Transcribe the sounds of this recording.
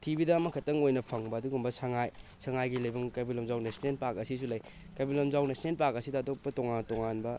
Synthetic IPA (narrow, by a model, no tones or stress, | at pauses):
tʰibidɐːmɐkʰɐtɐŋojnɐpʰɐŋbɐːduɡumbɐsɐŋajsɐŋajɡilɐjbɐmkɐbilomzawnesnenpakɐsis̬ulɐj | kɐbilomzawnɐsnenpakɐsidaːtok̚pɐtoŋantoŋanbɐ